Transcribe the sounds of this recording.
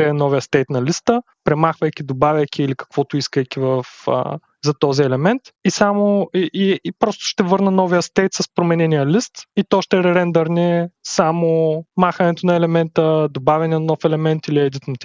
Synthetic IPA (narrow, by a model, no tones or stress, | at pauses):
ɛnɔvijəst̪ɛjt̪nɐlist̪ə | pɾɛmaxvɐjkʲid̪obavʲɐjkʲiːlikɐ̥kvɔt̪ʊiskəjkʲivɐfə̰ | zɐt̪ɔziɛlɛmɛnt̪isamoiʔipɾɔst̪ʊ̥ʃt̪ɛvɤɾnɐnɔvijəst̪ɛjt̪sɐspɾomɛnɛnijəlist̪it̪ɔʃt̪ɛɾɛɾɛnd̪əɾnɛsamomaxɐnɛt̪onɐɛlɛmɛnt̪əd̪obavʲɐniənnɔfɛlɛmɛnt̪iliɛd̪it̪not̪